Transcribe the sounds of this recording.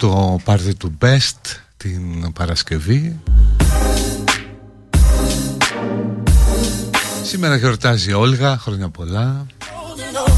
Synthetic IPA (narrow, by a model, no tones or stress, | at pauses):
t̪opɐɾðit̪ube̞st̪t̪inpɐɾɐsce̞vi | sime̞ɾɐʝo̞ɾt̪ɐzio̞lɣɐxɾo̞ɲɐpo̞lɐ